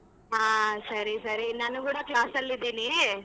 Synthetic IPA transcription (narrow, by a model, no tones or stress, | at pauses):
ɦaːsɐɾisɐɾinɐnɐkuːɽɐklaːsɐlːid̪iːni